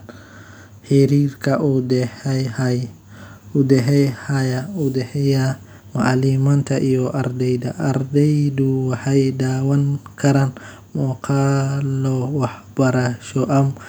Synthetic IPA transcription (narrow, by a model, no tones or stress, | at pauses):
ħiɾiːɾkʰɐʔud̪ɛhɛhj | ud̪ɛɦɛjhɐjɐud̪ɛhɛja | ma̰ʕlimɐnt̪ʰɐʔijɔʔɐɾd̪ɛjd̪ɐʔɐɾd̪ɛjd̪uwɑħajd̪aːwɐŋkʰɐɾɐn | mɔkʰalɔwɑħbɐɾaʃɔʔɐm